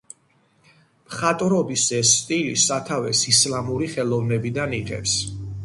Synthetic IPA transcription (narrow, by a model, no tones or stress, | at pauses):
pχat̪ʼɾɔbisɛsːt̪ʼilisat̪ʰavɛsislamuɾiχɛlˠɔvnɛbid̪aniʁɛ̰ps